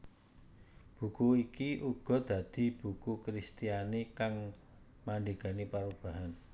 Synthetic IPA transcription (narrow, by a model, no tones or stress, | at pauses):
b̥ṳkuikiʔuɡ̥ɔ̤d̪̥ä̤d̪̥i̤b̥ṳkukɾist̪ijanikaŋ | maɳɖiɡ̥a̤nipaɾub̥a̤ɦan